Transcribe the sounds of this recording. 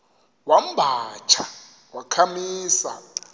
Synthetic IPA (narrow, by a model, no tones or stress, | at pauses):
wam̩bʱat͡ʃʰa | wakʰamiːsa̰